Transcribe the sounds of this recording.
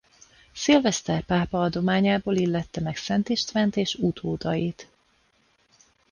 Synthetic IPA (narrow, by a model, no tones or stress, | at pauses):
silvɛst̪ɛrpaːpɒɒd̪o̞maːɲaːboːlilːɛt̪ːɛmɛksɛnt̪eːʃt̪fɛnt̪eːʃut̪ʰoːd̪ɒjit̪